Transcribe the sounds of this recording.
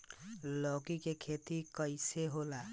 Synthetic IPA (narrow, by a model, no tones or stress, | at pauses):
lɔkikekʰet̪ikʌjseɦola